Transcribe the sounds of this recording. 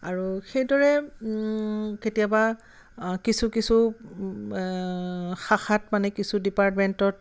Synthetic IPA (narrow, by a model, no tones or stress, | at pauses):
aɹuxejdɔɹɛ | ketijaba | kisukisu | xaxatmanɛkisudipaɹtmɛntɔt